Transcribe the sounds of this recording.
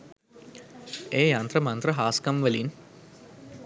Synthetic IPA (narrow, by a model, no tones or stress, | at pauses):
eːjant̪ɾəmɐnt̪rəɦaːskamʋəlin